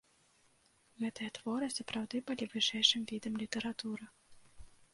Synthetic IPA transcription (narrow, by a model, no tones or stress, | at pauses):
ɣɛt̪ɨjɐt̪vɔɾɨsɐpɾawd̪ɨbɨlʲivɨʂɛjʂɨmvʲid̪ɐmlʲit̪ɛɾat̪uɾɨ